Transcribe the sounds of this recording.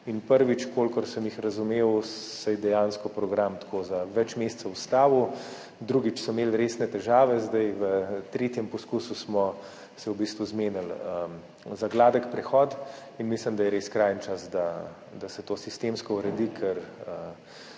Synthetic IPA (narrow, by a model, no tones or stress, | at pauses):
inpəɾʋit͡ʃkolkɔɾsəmjixɾɐzumeːwsajd̪ɛjaːnskɔpɾɔɡɾamt̪kʰoːzaʋɛt͡ʃmeːst̪sɐust̪aːʋu | d̪ɾuɡit͡ʃsɔmeːlɾeːsnɛt̪ɛʒaːʋɛzd̪ajʋət̪ɾeːt̪jɛmpɔskuːsusmɔ | sɛwbist̪ʋuzmeːnalə | zaɡlaːd̪əkpɾɛxɔːt̪ | inmisləmd̪ajɛɾeskɾajənt͡ʃasd̪a | d̪asɛt̪oːsist̪emskɔuɾɛd̪ikʰɛɾə